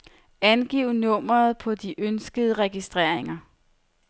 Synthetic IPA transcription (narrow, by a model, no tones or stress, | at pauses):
ænɡ̥iʊnɔ̽m̰ɐð̞̩ˠpʰɒ̽d̥iʔønsɡ̥əð̞ˠəʁɛɡ̥isd̥ʁeɐ̰e̝ŋɐ